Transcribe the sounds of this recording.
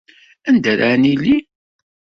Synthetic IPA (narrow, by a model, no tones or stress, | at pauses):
ænd̪əɾanilːi